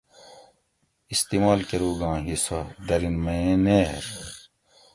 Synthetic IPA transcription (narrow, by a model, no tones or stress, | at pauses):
ist̪iːmaːlkeɾuːɡãːɦisɐd̪ɐɾinmɐẽneːɾ